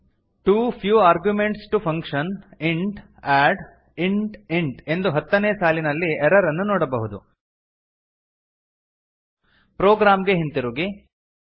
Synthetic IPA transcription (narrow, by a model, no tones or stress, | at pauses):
ʈuːpʰjuːaːɾɡjumeɳʈsʈupʰɐŋkʂɐniɳʈ | æːɖ | iɳʈiɳʈe̞nd̪uɦɐt̪ːɐneːsaːlinɐlːieɾɐɾɐnːunɔːɽɐbɐɦud̪ṵ | pɾoːɡɾaːmɡeɦint̪iɾuːɡi